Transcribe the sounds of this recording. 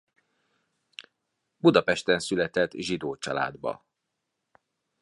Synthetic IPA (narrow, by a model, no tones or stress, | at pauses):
bud̪ɒpɛʃt̪ɛnsylɛt̪ɛt̪ːʒid̪oːt͡ʃɒ̰la̰ːd̪bɒ̰